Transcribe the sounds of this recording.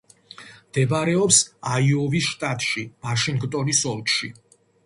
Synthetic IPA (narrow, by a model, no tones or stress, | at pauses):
md̪̥ɛbaɾɛɔpsaiɔvisʃt̪ʼat̪ʼʃivaʃiŋɡt̪ʼɔnisɔlˠkʃi